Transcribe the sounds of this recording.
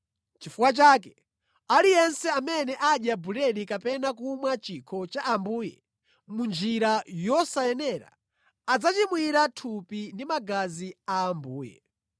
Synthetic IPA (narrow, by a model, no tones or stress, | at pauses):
t͡ʃifuwat͡ʃaːkɛ̥ | alijɛnsɛamɛnɛʔaɗjabuɾɛɾikapɛnakumwat͡ʃikʰɔt͡ʃaʔambuːjɛ̰ | mund͡ʒiɾajɔsajɛnɛɾa̰ː | d͡zat͡ʃimwiɾatʰupindimaɡaziaːmbuːjɛ̰